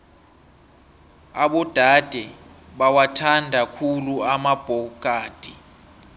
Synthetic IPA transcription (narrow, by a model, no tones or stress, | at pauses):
aɓɔd̥ʱad̥ʱɛ | ɓawatʰandʱakʰuluamab̥ʱɔk̬ʼaːd̥ʱi